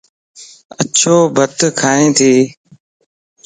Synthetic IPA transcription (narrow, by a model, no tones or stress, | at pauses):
ət͡ʃʰoːbʱət̪kʰaːɦẽːt̪ʰiː